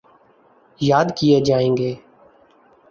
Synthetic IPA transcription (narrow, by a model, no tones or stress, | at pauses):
jaːd̪kɪjeːd͡ʒaːẽːŋɡeː